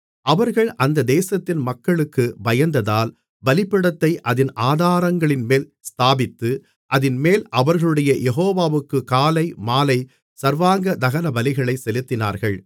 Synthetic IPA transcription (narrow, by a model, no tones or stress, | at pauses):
ʔɐʋɐɾɣɐɭʔɐnd̪ɐd̪eːsɐt̪ːɪnmɐkːɐɭɯkːɯbɐjɐnd̪ɐðaːl | bɐlɪpːɪɽɐt̪ːɐɪʔɐðɪnʔaːðaːɾɐŋɡɐɭɪnmeːlst̪aːbɪt̪ːɯ | ʔɐðɪnmeːlʔɐʋɐɾɣɐɭɯɽɐjɐjʔɛɦoːʋaːʋɯkːɯkaːlɐɪmaːlɐɪ | sɐɾʋaːŋɡɐd̪ɐɣɐnɐbɐlɪɣɐɭɐɪsɛlɯt̪ːɪna̰ːɾɣɐɭ